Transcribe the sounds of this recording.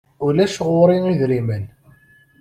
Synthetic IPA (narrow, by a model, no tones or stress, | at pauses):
ulæʃʁʊɾiiðɾimən